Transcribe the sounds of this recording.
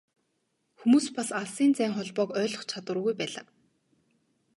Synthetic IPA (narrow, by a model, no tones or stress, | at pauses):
xumuːspasaɮsiːnt͡sæːŋχɔɮpɔːkœːɮɞ̆χt͡ɕʰat̪wə̆rɣujpæːɮa̰ː